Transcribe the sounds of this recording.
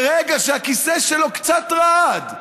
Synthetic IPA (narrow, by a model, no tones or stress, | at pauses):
ʁeɡaʃeakiseʃelo̞kt͡sat̪ʁaad̪